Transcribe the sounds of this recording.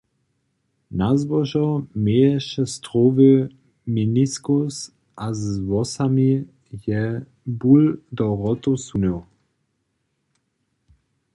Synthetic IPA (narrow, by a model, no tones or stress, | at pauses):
nazvɔʒɔmeːɛʃɛst̪ʁoːvə | miniskus | ʔazvɔsami | jɛ | buld̪ɔʁɔt̪osunow